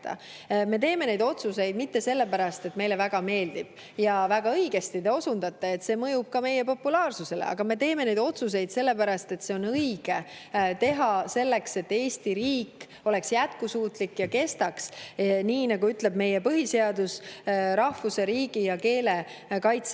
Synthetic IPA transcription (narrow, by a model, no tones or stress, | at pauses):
t̪ːɑ̰ | me̞t̪e̞ːme̞ne̞jd̪o̞t̪suse̞jd̪mit̪ːe̞se̞lːe̞pæɾɑst̪e̞t̪ːme̞jle̞væɡ̥ɑme̞ːld̪̥ib̥̚ | jɑvæɡ̥ɑɤjɡ̥e̞st̪id̪eo̞sund̪ɑt̪ːˑɑe̞t̪ːse̞ːmɤjub̥̚kɑme̞jepo̞pːulɑːrsuse̞lḛɑ̰ɡ̥ɑme̞t̪e̞ːmene̞jd̪o̞t̪sus̬e̞jd̪se̞lːe̞pæɾɑst̪e̞t̪se̞o̞nɤjɡ̥e̞t̪e̞ɦɑse̞lːe̞kse̞t̪ːe̞ːsʲt̪iɾiːkː | o̞le̞ksjæt̪̚kusuːt̪likːjɑke̞st̪ɑksniːnɑɡ̥uyt̪le̞b̚me̞jepɤɦise̞ɑd̪usɾɑhvuse̞ɾiːɡijɑke̞ːle̞ | kɑjt̪s